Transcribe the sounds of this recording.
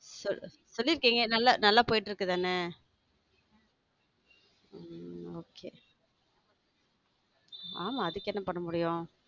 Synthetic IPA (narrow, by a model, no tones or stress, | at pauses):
sɔ | sɔlːɪɾɯkːiːŋɡɐnɐlːanɐlːaːpoːjɪʈːɪɾɯkːɯt̪aːnɛ | oːkʰeː | aːmaːɐðɯkːɛnːɐpɐɳːɐmʊɽɪjʊ̃